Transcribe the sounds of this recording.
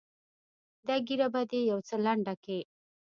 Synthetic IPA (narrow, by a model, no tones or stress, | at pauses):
d̪aɡiɾabad̪ejawt͡səlaɳɖake